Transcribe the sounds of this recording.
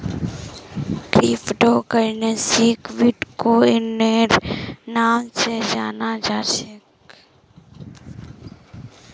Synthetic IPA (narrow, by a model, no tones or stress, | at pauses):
kɾiːfɖoːkəɾnesikʋiʈkoɪnːeɾnaːmsed͡ʒaːnad͡ʒaːt͡ʃek